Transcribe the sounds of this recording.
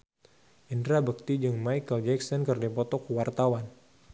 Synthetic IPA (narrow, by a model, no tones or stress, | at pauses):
ʔindɾabək̚t̪id͡ʒəŋmajkəld͡ʒɛksɔnkərdapɔt̪ɔkuwart̪awan